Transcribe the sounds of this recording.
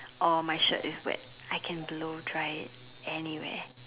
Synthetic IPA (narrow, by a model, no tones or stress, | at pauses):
ʔɔmaɪʃə̰tɪswɛ̰t̚ | aɪkʰɛ̃nblodɹaɪt | ɛniwḛː